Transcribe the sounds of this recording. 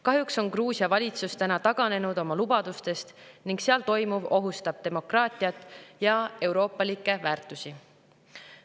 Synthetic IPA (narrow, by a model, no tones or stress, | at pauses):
kɑɦjukso̞nkruːsiɑvɑlʲit̪sust̪ænɑt̪ɑɡ̥ɑne̞nud̪o̞mɑlub̥ɑd̪̥ust̪e̞st̪niŋkseɑlt̪o̞jmuvo̞ɦust̪ɑb̥̚t̪e̞mo̞krɑːt̪ʲˑiɑt̪ːˑjɑe̞wɾo̞ːpˑːɑlikːˑe̞væːrt̪ːˑusi